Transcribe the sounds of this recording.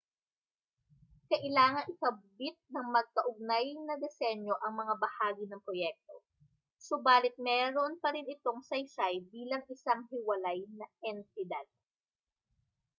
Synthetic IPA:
kɐʔɪlaːŋɐŋɪkɐbbɪt̪̚nɐŋmɐɡ̚kɐʔʊɡ̚najnɐd̪ɛsɛɲjo̞ʔɐŋmɐŋabɐhaːɡɪnɐŋpɾojɛk̚t̪o̞ | sʊbaːlɪt̪̚mɛːɾonpɐɾɪnɪt̪o̞ŋsɐjsajbiːlɐŋʔɪsaŋɦɪwɐlajnɐʔɛnt̪ɪd̪ad̪̚

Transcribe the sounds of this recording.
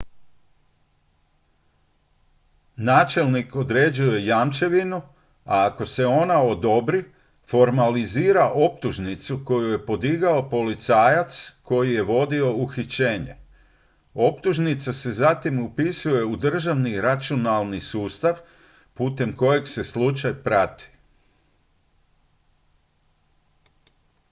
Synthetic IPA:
naːt͡ʃe̞lniko̞d̪ɾe̞ːd͡ʑuje̞jaːmt͡ʃe̞ʋinu | aːko̞se̞o̞nao̞d̪o̞bɾi | fo̞ɾmaliziːɾaʔo̞pt̪uʒnit̪suko̞juje̞po̞d̪iɡao̞po̞lit̪saːjat̪sko̞jije̞ʋo̞d̪io̞uxit͡ɕe̞ːɲe̞̰ | o̞pt̪uʒnit̪sase̞zat̪imupisuje̞ud̪r̩ʒaʋniɾat͡ʃionalˠnisuːst̪aʋ | puːt̪e̞mko̞je̞kse̞slut͡ʃajpɾat̪i̥

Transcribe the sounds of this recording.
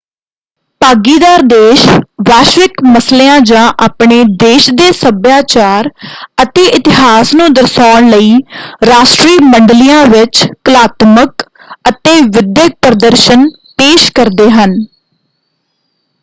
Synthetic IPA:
paːɡiːd̪aːɾd̪eːʃʋaːʃʋɪkməsleːãːd͡ʒãːʔaːpɳeːd̪eːʃd̪eːsəbjaːt͡ʃaːɾət̪eːʔɪt̪ɪɦaːsnũːd̪əɾsaːɳləiːɾaːʃʈɾiːməɳɖlijãːʋɪt͡ʃkəlaːt̪mək | ət̪eːʋɪd̪jək̚pɾəd̪əɾʃən | peːʃkəɾd̪eːɦən

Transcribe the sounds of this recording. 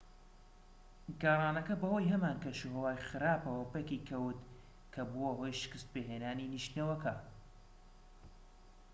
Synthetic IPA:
ɡaːrˤɑːnɐkɐbɐhoːjɦɐmaːnkɐʃuhɐwaːjxɨɾaːpɐwɐpekikʰɐwt̪ | kʰɐbuwɐɦojʃɨ̥kɨst̪̚peːɦeːnaːniniʃt̪nɐwɐkɐ

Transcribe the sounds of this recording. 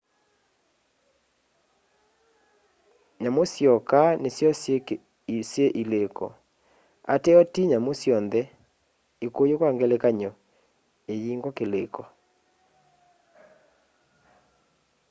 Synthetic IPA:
ɲamosjɔkanesjɔ | sjeʔilekɔ̰ | a̰tɛɔtiɲamosjɔnðɛ | ekojokwaŋɡɛlekaɲɔ | ejiŋɡɔkelekɔ

